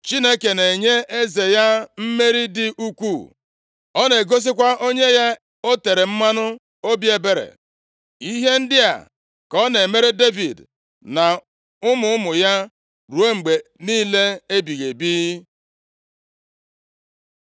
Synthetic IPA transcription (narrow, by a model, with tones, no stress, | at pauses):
t͡ʃi˦ne˦ke˨ne˨e˨ɲe˦e˦ze˨ja˦m̩˦me˦ɾi˦dɪ˨ʔu˦kʷu˦˨ | ɔ˦ne˨ɡo˦s̬i˦kʷa˦o˦ɲe˦ja˦ | o˦te˨ɾe˨m̩˦ma˦nʊ˦ | o˦bje˨be˨ɾḛ˨ | i˦ɦe˦n̩˦dɪ˦a̰˨ | kɔ˦ne˨me˦ɾe˦de˦vi˨d | na˨ | ʊ˦mʊ˨ʊ˦mʊ˨ja˦ | ɾu˨e˦ŋ͡m̩˨ɡ͡be˨niː˦le˦e˦bi˨ɣe˨bi˦